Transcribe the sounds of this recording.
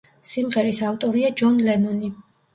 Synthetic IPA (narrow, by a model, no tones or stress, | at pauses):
simʁɛɾisaft̪ʼɔɾiad͡ʒɔnlɛnɔni